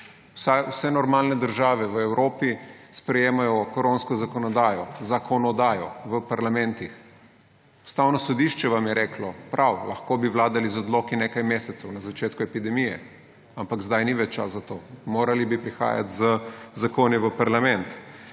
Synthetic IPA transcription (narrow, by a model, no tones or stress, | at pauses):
sawsɛnɔɾmaːlnɛd̪əɾʒaːʋɛʋəɛwɾʔoːpispɾɛjeːmajɔkɾonskɔzakɔnɔd̪aːjɔzakʰɔnɔd̪aːjɔ̰ʋəpaɾlamɛnt̪ix | u̥st̪aːwnɔsɔd̪iʃt͡ʃɛʋamjɛɾɛːklɔpɾʔawlɐxkoːbiʋwlaːd̪alizɔd̪loːkineːkajmeːsɛt̪sɔwnazat͡ʃeːt̪kuɛpid̪ɛmijɛ | ampakzd̪ajniʋɛt͡ʃt͡ʃa̰szat̪oːmoːɾalibipɾixa̰ːja̰t̪zəzakoːniʋəpaɾlamɛnt̪